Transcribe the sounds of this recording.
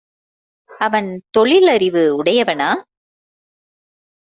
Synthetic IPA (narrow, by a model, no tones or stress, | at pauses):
ɐʋɐnt̪ɔɭɪlɐɾɪʋɯʊɽɐjɐʋɐnaː